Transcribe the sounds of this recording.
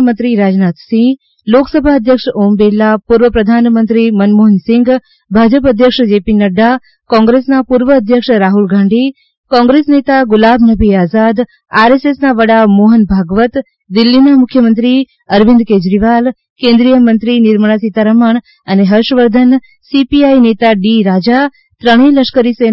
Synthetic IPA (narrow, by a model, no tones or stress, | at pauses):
mə̃nt̪ɾiɾaːd͡ʒnat̪sĩ | loksəbʱaəd̪ʱjəkʂombelːapuɾʋəpɾɐd̪ʱanmə̃nt̪ɾimənmoɦənsɪ̃ŋɡ | bʱaːd͡ʒəpəd̪ʱjəkʂd͡ʒepinəɖa | kɔ̃ːŋɡɾesnapuɾʋəːd̪ʱjəkʂɾaːɦulɡʱãːɳɖʱi | kɔ̃ŋɡɾesnet̪aɡʊlabʱnəbʱiaːzad̪ | aɾesesnaʋəɽamoɦənbʱaɡʋət̪ | d̪ɪlːinamʊkʰjəmənt̪ɾi | əɾʋĩnd̪̚ked͡ʒɾiʋal | kẽnd̪ɾijəmənt̪ɾinɪɾməɽ̃asit̪aɾəməɳ̃ | əneɦəɾʃʋəɾd̪ʱən | sipiainet̪aɖiɾad͡ʒa | t̪ɾəɽ̃iləʃkəɾise